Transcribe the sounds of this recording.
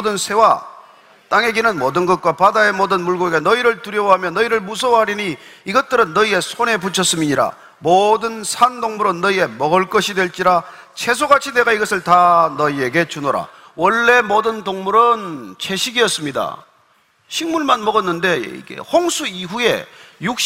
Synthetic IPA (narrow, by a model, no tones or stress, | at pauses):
dɯnsʰe̞wa | t͈aŋe̞ɡenɯnmodɯnɡʌt̚k͈wapadae̞modɯnmuɭɡoɡenʌiɾɯɭtuɾjʌwɦamjʌnʌiɾɯɭmus̬ʰʌwɦaɾiɲiiɡʌt̚t͈ɯɾɯnːʌie̞sʰone̞p̬ut͡ɕʰʌs͈ɯmiɲiɾa̰ | modɯnsʰandoŋmuɾɯnːʌie̞mʌɡɯɭk͈ʌɕʰidwe̞ɭt͡ɕ͈iɾa | t͡ɕʰe̞s̬ʰoɡat͡ɕʰine̞ɡaiɡʌsʰɯɭtanʌie̞ɡe̞t͡ɕunoɾa̰ | wʌɭːe̞modɯntoŋmuɾɯnt͡ɕʰe̞ɕʰiɡiʌs͈ɯmɲida̰ | ɕʰiŋmuɭmanmʌɡʌnːɯnde̞ḭɡḛhoŋsʰuiɦue̞̰juk̚ɕ